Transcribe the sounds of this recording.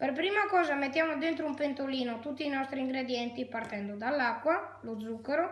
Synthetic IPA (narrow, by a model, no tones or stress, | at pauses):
perpɾiːmakɔːzamet̪ːjaːmod̪ent̪ɾoumpent̪oliːnot̪ut̪ːiːnɔst̪ɾiːŋɡɾed̪jɛnt̪ipart̪ɛnd̪od̪alːakːwalod̪zːukːeɾo